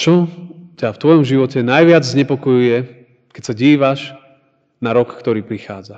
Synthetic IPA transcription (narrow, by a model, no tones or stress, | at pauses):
t͡ʃɔcaft̪ʋɔjɔmʒiʋɔcɛnajʋɪad͡zzɲɛpɔkɔjujɛ | kɛcsaɟiːʋaʃ | naɾɔkːt̪ɔɾiːpɾixa̰ːd͡za